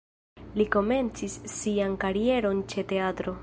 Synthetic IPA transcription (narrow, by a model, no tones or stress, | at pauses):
liko̞me̞nt͡sisːiankaɾie̞ɾo̞nt͡ʃe̞te̞atɾo̞